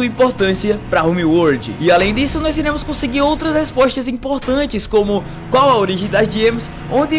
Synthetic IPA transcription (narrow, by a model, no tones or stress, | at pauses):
uɐĩpoɾt̪ɐ̃siɐpɾɐɦũmiwoɾd͡ʒɪ̰ɪalẽj̃d̪isʊnɔjziɾẽmʊskõseɡiɾowt̪ɾɐshespɔʃt̪ɐzĩpoɾt̪ɐ̃t͡ʃɪskõmʊ | kwawɐoɾiʒẽj̃d̪ɐzd͡ʒiẽmʊs | õnd̪ɪ